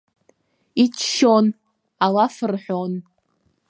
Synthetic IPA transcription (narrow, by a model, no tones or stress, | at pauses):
it͡ʃʰʃon | alafɨrħʷon